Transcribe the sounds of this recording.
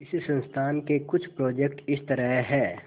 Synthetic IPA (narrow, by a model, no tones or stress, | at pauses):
ɪssə̃nst̪ʰaːnkekʊt͡ʃʰpɾɔːd͡ʒekʈɪst̪əɾəɦɦɛː